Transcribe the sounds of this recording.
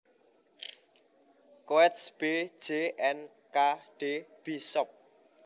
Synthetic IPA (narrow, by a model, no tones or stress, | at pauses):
koɛt̪sb̥e̥d͡ʒ̥eʔɛn | kaɖ̥eb̥isɔp̚